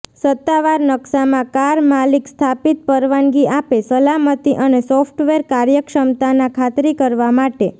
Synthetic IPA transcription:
sət̪ːaʋaɾnəksamãkaɾmalikst̪ʰapit̪̚pəɾʋanɡiapesəlamət̪iʔənesɔfʰʈʋeɾkaɾjəkʃəmt̪anakʰat̪ɾikəɾʋamaʈe

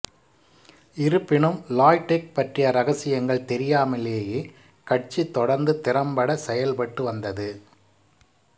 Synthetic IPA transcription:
ɪɾɯpːɪɳɯmlaːjʈːɛk̚pɐʈrɪjɐɾɐɣɐsɪjɐŋɡɐɭt̪ɛɾɪjaːmɐleːjeː | kɐʈ̚t͡ʃit̪ːɔɽɐɾnd̪ɯt̪ɪɾɐmpɐɽɐsɛjɐlpɐʈːɯʋɐnd̪ɐðɯ

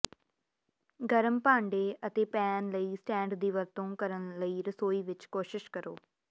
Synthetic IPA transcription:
ɡəɾəmpãːɳɖeːʔət̪eːpɛːnləiːsʈɛ̃ːɳɖd̪iːʋəɾt̪õːkəɾənləiːɾəsoːiːʋɪt͡ʃkoːʃɪʃkəɾoː

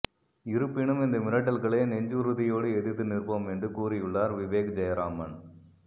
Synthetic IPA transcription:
ɪɾɯpːɪɳɯmɪnd̪ɐmɪɾɐʈ̬ːɐlɣɐɭeːnɛɲd͡ʒɯɾɯðɪjoːɽɯɛðɯt̪ːɯnɪrpoːmɛndrɯkuːɾɪjɯɭːaːɾʋɪʋeːkd͡ʒɐjɐɾaːmɐn

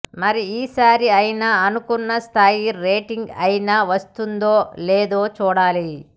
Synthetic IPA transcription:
mɐɾiiːsaːɾiɐjinaːɐnukunːɐst̪ʰaːjiɾeːʈiŋɡɐjinaːʋɐst̪und̪oːleːd̪oːt͡ʃuːɽaːli

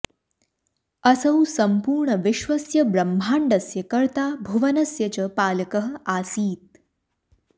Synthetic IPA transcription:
ɐsɐwsɐmpuːɾɳəʋɪʃʋɐsjɐbɾɐm̤ːʱaːɳɖɐsjɐkɐɾt̪aːbʱuʋɐnɐsjɐt͡ɕəpaːlkəɦəaːsiːt̪̚

